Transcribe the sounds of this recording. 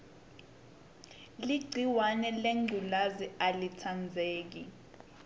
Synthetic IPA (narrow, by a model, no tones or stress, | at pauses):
liɡ͡ǀʱiwanɛleŋʱulazialitʰand͡zʱeːk̬i